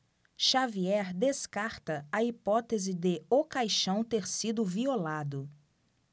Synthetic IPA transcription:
ʃaviɛɾd̪eskaɾt̪ɐɐipɔt̪ezɪd̪ɪokajʃɐ̃w̃t̪eɾsid̪ʊviolad̪ʊ

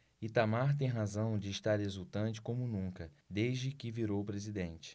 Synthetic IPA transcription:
it̪amaɾt̪̬ẽj̃ɦazɐ̃w̃d͡ʒɪːʃt̪aɾhezuwt̪ɐ̃nt͡ʃɪ̥kõmʊnũŋkɐd̪ejʒd͡ʒɪkɪviɾowpɾezid̪ẽnt͡ʃɪ̥

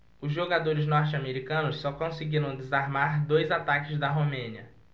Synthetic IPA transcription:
ʊzʒoɡad̪oɾɪznɔɾt͡ʃɪameɾikɐ̃nʊssɔkõsɪɡiɾɐ̃w̃d̪ezaɾmaɾd̪ojzat̪akɪzd̪ɐɦomẽniɐ

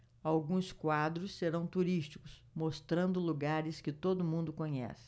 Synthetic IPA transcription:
awɡũskwad̪ɾʊsːeɾɐ̃w̃t̪uɾist͡ʃi̥kʊs | most̪ɾɐ̃nd̪ʊluɡaɾɪskɪt̪od̪ʊmũnd̪ʊkõɲɛ̰sɪ̥

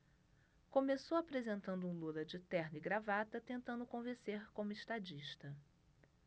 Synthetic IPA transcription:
kõmesowapɾezẽnt̪ɐ̃nd̪ʊũlulɐd͡ʒɪt̪ɛɾnɪiɡɾavat̪ɐt̪ẽnt̪ɐ̃nd̪ʊkõvẽseɾkõmʊɪʃt̪ad͡ʒiʃt̪ɐ

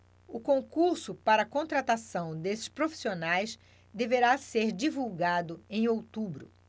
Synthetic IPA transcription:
ʊkõŋkuɾsʊpaɾɐːkõnt̪ɾat̪asɐ̃w̃d̪esɪ̥ʃpɾofi̥sionajs | d̪eveɾaseɾd͡ʒivuwɡad̪ʊẽj̃owt̪ubɾʊ̰

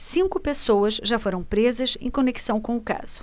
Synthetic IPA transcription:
sĩŋkʊpesowɐzʒafoɾɐ̃w̃pɾezɐzẽj̃koneki̥sɐ̃w̃kõʊka̰z̥ʊ̥

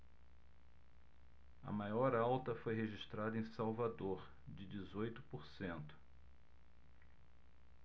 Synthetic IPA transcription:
ɐ̰majɔɾawt̪ɐfojɦeʒiʃt̪ɾad̪ɐẽj̃sawvad̪oɾ | d͡ʒɪd͡ʒizojt̪ʊ̥poɾsẽnt̪ʊ̥

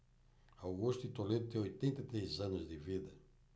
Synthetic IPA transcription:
awɣust̪it̪oled̪ut̪ẽojt̪ẽnt̪ɐt̪ɾejzãnʊzd̪ɪvid̪ɐ

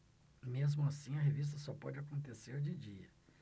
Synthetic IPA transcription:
mezmʊasĩɐɦevis̬t̪ɐsɔpɔ̰d͡ʒɪakõnt̪eseɾd͡ʒɪd͡ʒiɐ

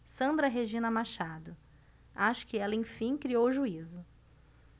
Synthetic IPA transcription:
sɐ̃nd̪ɾɐɦeʒĩnɐmaʃad̪ʊ | aʃʊ̥kɪɛlɐẽj̃fĩj̃kɾiowʒuizʊ

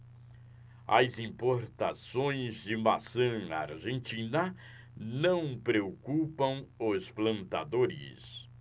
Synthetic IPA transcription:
ɐ̰zĩmpoɾt̪asõj̃zd͡ʒɪmasɐ̃a̰ɾʒẽnt͡ʃĩnɐ | nɐ̃w̃pɾeokupɐ̃w̃ʊsplɐ̃nt̪ad̪oɾɪ̰s

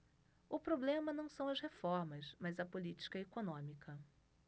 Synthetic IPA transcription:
ʊpɾoblẽmɐnɐ̃w̃sɐ̃w̃ɐzhefɔɾmɐzmɐzɐpolit͡ʃi̥kɐekonõmikɐ

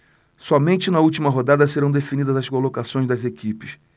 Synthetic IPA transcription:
sɔmẽnt͡ʃɪnɐut͡ʃimɐɦod̪ad̪ɐseɾɐ̃w̃d̪efinid̪ɐzɐskolokasõj̃zd̪ɐzekipɪ̥s

